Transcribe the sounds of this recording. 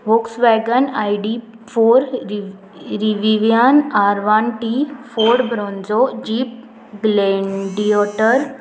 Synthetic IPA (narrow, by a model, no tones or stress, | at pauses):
ʋoksʋɛːɡənaːiɖi | fʰoːɾ | ɾiʋiʋijaːnaːɾʋaːnʈifoːɖbɾõːnzod͡ʒiːp̚ | ɡleɳɖioʈəɾ